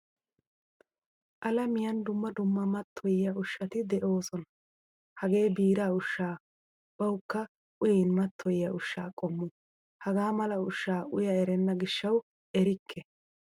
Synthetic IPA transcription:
ʔɐlɐmɪjɐnd̪ʊmːɐd̪ʊmːɐmɐt̪ʰːɔjɪjɐʊʃːɐt̪ɪd̪ɛʔo̞ːsɔnɐ̥ | hɐɡe̞ːbiːɾaːʊʃːaː | b̥ɐwkːɐ | ʊjɪnmɐt̪ʰːɔjjɐʔʊʃːaːkʼɔmːʊ | hɐɡaːmɐlɐʊʃːaːʊjɐɛɾɛnːɐɡɪʃːɐw | ɛɾɪkʰːɛ

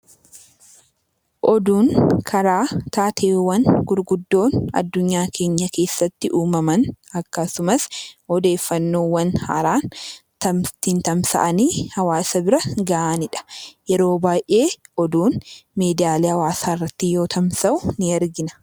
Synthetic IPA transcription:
ʔɔd̪uːnkʰɐɾaːt̪aːt̪ʰe̞ːwːɐnɡʊɾɡʊd̪ːo̞ːnɐ̰d̪ːʊɲːaːkʰe̞ːɲːɐkʰe̞ːsːɐt̪ːɪʔuːmɐmɐnɐkːɐsʊmɐshɔd̪e̞ːfːɐnːoːwɐnhɐ̰ɾaːnt̪ɐmt̪ɪnt̪ɐmsɐ̰ʔɐniːhɐwaːsɐbɪɾɐɡɐʔanɪᶑɐ̥jɛɾo̞ːbaːjʔe̞ːʔɔd̪uːnmeːd̪ɪaːlihɐwaːsaːɪrːɐt̪ːɪjo̞ːt̪ʰɐmsɐʔʊnɪɛɾɡɪnɐ̥

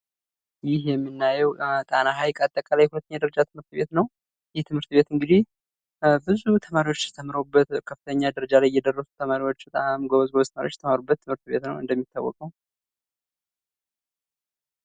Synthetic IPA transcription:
jɪhjɛmːɨnːajɛwt̪ʼanaɦajkʼat̪ʼːəkʼalajɛhulət̪ːəɲːad̪əɾəd͡ʒat̪ʰɨmhɨɾt̪bet̪nəw | jɪht̪ʰɨmhɨɾt̪be̞t̪ɨŋɡɨd̪ih | bɨzut̪ʰəmaɾiwot͡ʃːjɛt̪ʰəmɾobːət̪kʰəfːɨt̪ʰəɲːad̪əɾəd͡ʒalajjːɛd̪ərːəsu̥t̪ʰəmaɾiwo̞t͡ʃːbət̪ʼamɡoβəzɡoβzt̪əmaɾjot͡ʃːjɛt̪ʰəmaɾubːət̪ʰːɨmhɨɾt̪be̞t̪nə̰wɨ̰nd̪əmːit̪ːawːɔ̰kʼəw

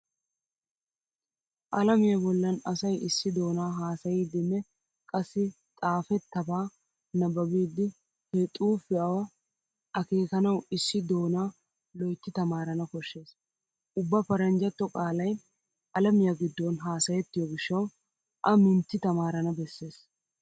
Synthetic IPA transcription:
ʔɐlɐmɪjɐbɔlːɐnɐsɐjɪsːɪd̪o̞ːnaːɦaːsɐjiːd̪ɪnːɛ | kʼɐsːɪ | t̪ʼaːfɛt̪ːɐbaː | nɐbɐbiːd̪ːɪ | hɛt̪ʼuːfɪɐwɐ | ɐkeːkɐnɐwɪsːɪd̪o̞ːnaː | lɔjt̪ːɪt̪ɐmaːɾɐnɐkɔʃːe̞ːs | ʔʊbːɐpɐɾɐnd͡ʒɐt̪ːɔkʼaːlɐj | ʔɐlɐmɪjɐɡɪd̪ːɔnɦaːsɐjɛt̪ːɪjɔɡɪʃːɐw | ʔɐmɪnt̪ːɪt̪ɐmaːɾɐnɐbɛsːe̞ːs

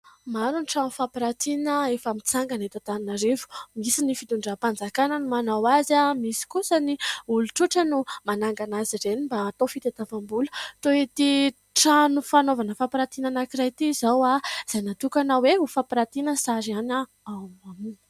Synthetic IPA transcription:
maɾuniʈ͡ʂanufapiɾat̪inəefamit͡saŋɡanet̪at̪aninaɾevu̥misinifit̪uɳɖ͡ʐapand͡zakanənumanawazamisi̥kusəniuluʈ͡ʂuʈ͡ʂənumanaŋɡanaziɾenimbaːt̪ofit̪et̪avambulə̥t̪oet̪i | ʈ͡ʂanufanovanəfapɾat̪inanakiɾajt̪izawaz̥ajnat̪ukanaweɦufapɾat̪inəsaɾiana | awamamin

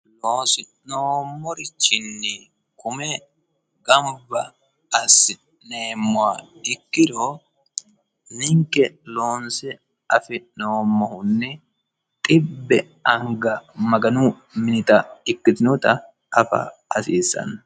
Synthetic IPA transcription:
loːsɪ | noːmːɔɾɪt͡ʃːɪnːɪ | kʊmɛ | ɡɐmbɐ | ɐsɪ | neːmːʊaɪkːɪɾoː | nɪŋkɛloːnsɛ | ɐfɪʔnoːmːɔhʊnːɛ | t̪ʼɪbːɛ | ɐŋɡɐmɐɡɐnuː | mɪnɪt̪ɐɪkːɪt̪ɪnut̪ɐ | ɐfɐ̰ɐsiːsɐ̰n

